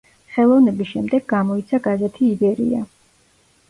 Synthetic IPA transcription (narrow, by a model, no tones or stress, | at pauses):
χɛlˠɔvnɛbisʃɛmd̪ɛɡːamɔit̪sʰaɡazɛt̪ʰiːbɛɾḭa̰